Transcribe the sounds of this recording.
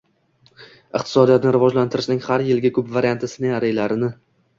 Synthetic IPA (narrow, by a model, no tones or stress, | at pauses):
ɪqt̪ʰɪ̥sɒd̪ijat̪nɪɾɪvɒd͡ʒlant̪ʰɪɾɪʃnɪŋhaɾjɪlɡʲakʰɵpvaɾijant̪ʰasɪnɪŋaɾajlaɾɪnɪ